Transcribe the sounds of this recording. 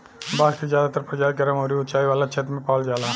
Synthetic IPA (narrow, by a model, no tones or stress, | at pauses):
baːɡkizjaːd̪aːt̪ɐɾpɾɐd͡ʒaːd̪̚ɡɐɾɐmoːɾiʊt̪t͡ʃaːiʋaːlat͡ʃʰet̪mẽpaːld͡ʒaːlaː